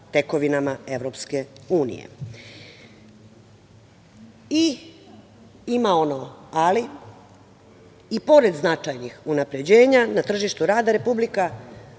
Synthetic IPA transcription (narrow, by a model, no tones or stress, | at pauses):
t̪e̞ko̞ʋinamae̞ʋɾopske̞uːnḭjḛ | i | imao̞noali | po̞ɾe̞d̪znat͡ʂajnixunapɾe̞d͡ʑe̞ːɲanat̪r̩ʒiʃt̪uɾaːd̪aɾe̞publika